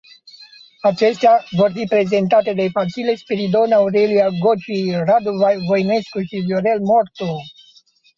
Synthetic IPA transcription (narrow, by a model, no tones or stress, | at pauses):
at͡ʃe̞st̪eavo̞rfipɾe̞ze̞nt̪at̪e̞d̪e̞fasilespeɾid̪o̞nauɾelijaɡot͡ʃejrad̪uvvojne̞skuʃivjoɾe̞lmort̪o